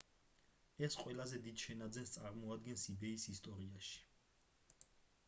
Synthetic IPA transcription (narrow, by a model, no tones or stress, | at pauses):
ɛsqʼwɛlazɛd̪id̪ʃɛnad̪zɛnst̪sʼaɾmɔad̪ɡɛnsid̪ɛisist̪ʼɔɾiaʃi̥